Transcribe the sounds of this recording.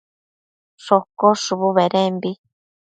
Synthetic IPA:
ʂokoʂuβuβeɾembi

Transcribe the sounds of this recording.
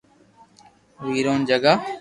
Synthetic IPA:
ʋiːɾoːnd͡ʒəɡa

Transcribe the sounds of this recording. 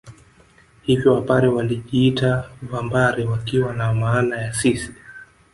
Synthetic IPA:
hivjɔwapaɾɛwaliʄiːtavambaɾiwakiwanamaːnajasisi̥

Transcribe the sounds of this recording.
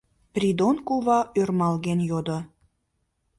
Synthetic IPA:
prʲid̪onkuβɑʔørmɑlɣenjod̪o

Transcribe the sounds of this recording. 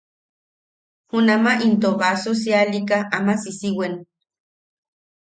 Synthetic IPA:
hunamaʔint̪oβasos̬ialikaʔamasisiwen

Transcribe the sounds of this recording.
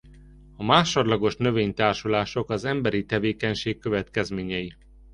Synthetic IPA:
ɒmaːʃodlɒɡo̞ʃnø̞veːɲt̪aːrʃulaːʃo̞kɒzɛmbɛɾit̪ɛveːkɛɲʃeːkːø̞vɛt̪kɛzmeːɲɛji

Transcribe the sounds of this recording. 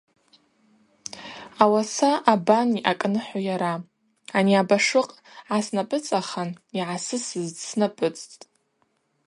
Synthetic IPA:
awasaʔabaniʔakʼnɨħʷajaɾa | aniabaʂɨqʼ | ʕasnapʼɨt͡sʼaχaniʕasɨsɨzsnapʼɨt͡sʼtʼtʼ

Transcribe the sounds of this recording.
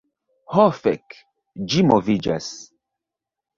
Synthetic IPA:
hɔfɛ̰k | d͡ʒimɔvid͡ʒa̰s

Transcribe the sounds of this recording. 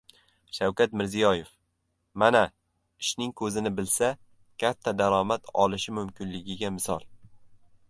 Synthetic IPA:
ʃawkʲat̪̚mɪɾzijɒje̞f | mana | ɪʃnɪŋkʰɵzɪnɪbɪlsa | kʲʰat̪ʰːad̪aɾɒmat̪ʰɒ̰lɪʃɪmʊmkʲʰɪnlɪɡʲɪɡʲamɪsɒ̰lˠ

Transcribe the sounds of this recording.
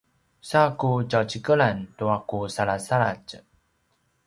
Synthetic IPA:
sakut͡ɕawt͡ɕikəɭantuakusaɭasaɭa̰t͡ɕ

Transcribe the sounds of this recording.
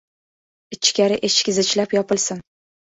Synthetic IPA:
ɪt͡ʃʰːkʲaɾɪʔet͡ʃkʲɪzɪt͡ʃlapjɒpɪlsɪn

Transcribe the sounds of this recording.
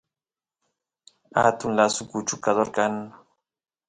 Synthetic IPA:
a̰t̪ʊnlasʊkʊt͡ʃʊkad̪oɾkan

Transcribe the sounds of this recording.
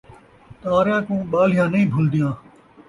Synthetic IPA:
t̪aːɾjãːkũːɓaːl̤ɪjãːnəĩːbʱʊld̪ɪjãː

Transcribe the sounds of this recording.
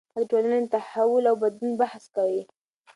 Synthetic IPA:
aʈolanent̪aħawʊlawbad̪lunbaħskawi

